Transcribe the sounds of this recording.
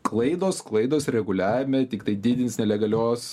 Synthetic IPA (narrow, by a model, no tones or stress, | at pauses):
klˠɐɪd̪oːsklˠɐɪd̪oːsɾʲɛɡʊlʲæːʋʲɪmʲɛt̪ʲɪkt̪ɐɪd̪ʲid̪ʲɪnʲsnʲɛlʲɛɡɐlʲoːs